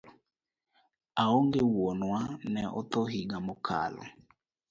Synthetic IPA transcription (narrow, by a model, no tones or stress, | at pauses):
aoŋɡewonwanɛʔɔ̰t̪ɔɦiɡamɔkʰa̰lɔ̰